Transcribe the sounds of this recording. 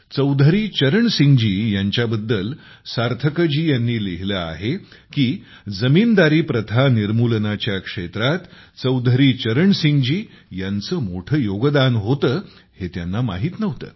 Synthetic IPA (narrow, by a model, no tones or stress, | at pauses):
t͡səwd̪ʱəɾiːt͡ɕəɾəɳsiŋɡd͡ʑiːjaɲt͡ɕjabəd̪ːəl | saɾt̪ʰəkəd͡ʑiːjanːiːliɦiləa̰ɦekiː | d͡zəmiːnd̪aɾiːpɾət̪ʰaniɾmulənat͡ɕjakʂet̪ɾat̪ | t͡səwd̪ʱəɾiːt͡ɕəɾəɳsiŋɡd͡ʑiː | jant͡səːmoʈʰəjoɡəd̪anɦot̪əː | het̪janːama̰ɦiːt̪nəʋt̪ə̰ː